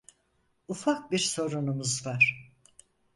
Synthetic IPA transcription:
ufak̚biɾso̞ɾunumuzvaɾ̥

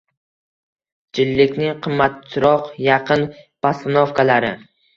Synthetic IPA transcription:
d͡ʒɪlːɪkʲnɪŋqʰɨmːat̪̚t͡ʃʰɪɾɒqjɑqʰɨnpʰasɪnofkʰalaɾɪ

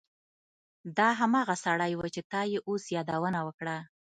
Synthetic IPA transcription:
d̪ɑɦamɑɣasaɽajwat͡ʃet̪ɑjeʔosjɑd̪awənawəkɽa

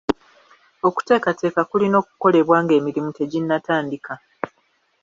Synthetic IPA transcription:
o̞ku̥te̞ːkate̞ːkakulino̞ːk̚u̥ko̞le̞βwaːŋɡe̞ːmiɾimute̞ɟinːataːndika

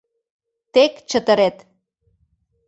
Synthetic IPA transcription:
t̪ekt͡ɕət̪əɾet̪

